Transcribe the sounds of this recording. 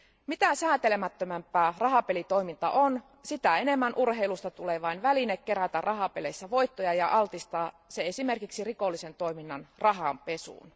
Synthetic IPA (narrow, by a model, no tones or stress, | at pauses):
mit̪æsæːt̪elemæt̪ːømæmpːˑæːrɑɦɑpelit̪o̞imint̪ɑ̰ʔon | sit̪æenemːænʔurheilust̪ɑt̪uleːʋɑinʋælinekkeɾæt̪ærrʔɑɦɑpelesːæʋo̞it̪ːojɑjɑʔɑlt̪ist̪ɑː | seesimerkiksirikolːisent̪o̞iminːɑnrɑɦɑmpe̞sṵːn